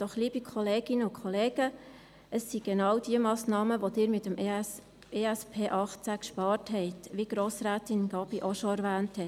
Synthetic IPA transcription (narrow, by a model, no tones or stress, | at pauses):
d̥ɔχliːbikʰɔleːɡ̥ɪnəʊkʰχɔleːɡ̥ə | əsːiɡ̥enɑːwd̥iəmɑːsnɑːməʋod̥ɪːɾmɪtːəm | eæspʰeːʔɑχt͡sækʃpɑːɾthɦɛɪtʋiɡ̥ɾoːsɾæːtɪnɡ̥ɑbiʔoʃɔæɾvæːnthɛ